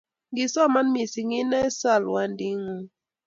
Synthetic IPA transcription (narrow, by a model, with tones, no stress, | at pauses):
ŋɡi˨sɔ˦˨ma˦nmi˨si˨ŋi˦na˦sa˦˨lwa˦ndi˦ŋu˦